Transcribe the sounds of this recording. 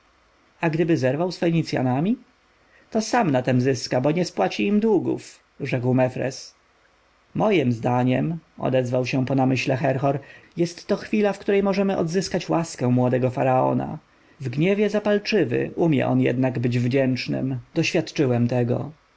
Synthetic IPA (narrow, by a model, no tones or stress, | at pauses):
aɡd̪ɘbɘzɛɾvawsfɛɲit̪sʲja̰namʲi | t̪ɔsamnat̪ɛmzɘskabɔɲɛspwat͡ɕiːmd̪wuɡṵf | ʐɛkwmɛfɾɛ̰s | mɔjɘmzd̪aɲɛmɔ̰d̪ɛzvawɕɛpɔnamɘɕlɛxɛɾxɔɾjɛst̪ːɔxfʲilafkt̪uɾɛjmɔʐɛmɘʔɔ̰d̪zɘskat͡ɕwaskɛ̃mwɔd̪ɛɡɔfaɾaɔ̰na̰ | vɡɲɛvʲjɛzapalt͡ʂɘvɘ̰ʔumʲjɛ̰ʔɔ̰njɛ̰d̪naɡbɘd͡ʑvd͡ʑɛnt͡ʂnɘ̰md̪̥ɔɕfʲjat̪t͡ʂɘwɛmt̪ɛɡɔ̰